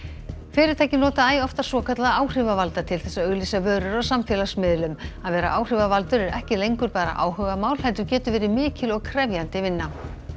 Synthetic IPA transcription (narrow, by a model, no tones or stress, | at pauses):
fɪːɾɪɾt̪ʰaːjcɪnɔːt̪aaːjɔft̪ḁswɔːkʰat̪laðaːwr̥ɪvavalt̪at̪ʰɪlθɛsːaœɣlisavœːɾʏɾɔsamfjɛːlasmɪðlʏmaðvɛːɾa̰ʔaːwr̥ɪvavalt̪ʏɾɛɾɛhcɪlejŋkʏɾpaːɾa̰ʔa̰ːwhœɣamaːwl̥hɛlt̪ʏɾcɛːt̪ʏvɛːɾɪmɪːcɪlɔɣkʰɾɛvjant̪ɪvɪnːa